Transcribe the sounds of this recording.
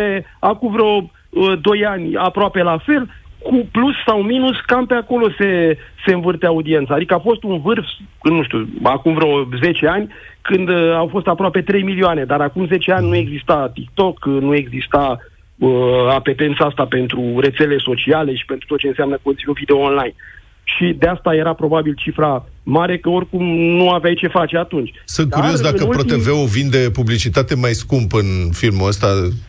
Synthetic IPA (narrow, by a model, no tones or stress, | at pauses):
peakumvɾeo̞ | əd̪o̞janʲapɾoape̞lafe̞lkuplusːawminuskampeako̞lo̞se̞se̞ɨnvɨrt̪eaud̪ie̞nt̪saːd̪ikəafo̞st̪unvɨrf | ɨnːuʃt̪ʲuakumvɾeo̞ze̞t͡ʃe̞anʲkɨnd̪awfo̞st̪apɾoape̞t̪ɾe̞jmilioane̞d̪aɾakumze̞t͡ʃe̞anʲnue̞ɡzist̪at̪ik̚t̪o̞knue̞ɡzist̪a | əape̞t̪e̞nt̪səast̪ape̞nt̪ɾure̞t̪se̞le̞so̞t͡ʃiale̞ʃi̥pe̞nt̪ɾut̪ot̪t͡ʃe̞ɨnseamnəkoniunvid̪eoonlajn | ʃid̪east̪aje̞ɾapɾo̞babilt͡ʃifɾamaɾe̞kəo̞rkumnuaveajt͡ʃe̞fat͡ʃe̞at̪unt͡ʃʲsɨnt̪̚kuɾɾio̞s̬d̪akəpɾot̪eveovind̪e̞publit͡ʃit̪at̪e̞majskumpɨnfilmuəst̪a